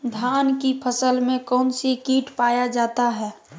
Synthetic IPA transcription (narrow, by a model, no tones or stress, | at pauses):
d̪ʱjaːnkipʰəsəlmẽkɔːnsekiːʈpaːjad͡ʒaːt̪aɦɛː